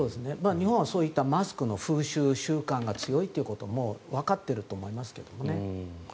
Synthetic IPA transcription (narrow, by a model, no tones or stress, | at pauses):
so̞ːd̪e̞sɨne̞maːɲ̟ihõɰ̃βaso̞ːit̪ːamasɨ̥kɯ̟no̞ɸɯːɕɨːɕɨːkãŋɡat͡sɨjo̞it̪ːeiɯ̟kot̪o̞moβakat̪ːe̞ɾɯ̟t̪o̞ːmo̞imasɨ̥ke̞̰d̪̥o̞mo̞ne̞